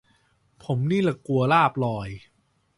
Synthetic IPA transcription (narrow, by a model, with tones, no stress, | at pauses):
pʰo˩˦mniː˥˩la˨˩ku˧ɐlaː˥˩p̚lɔː˧˩j